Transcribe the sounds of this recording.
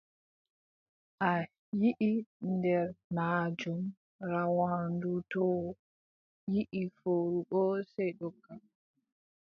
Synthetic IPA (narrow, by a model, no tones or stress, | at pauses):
ʔa | jiʔindɛɾmad͡ʒum | ɾawandutɔ | jiʔifoːɾuɓɔsɛjɗɔɡːa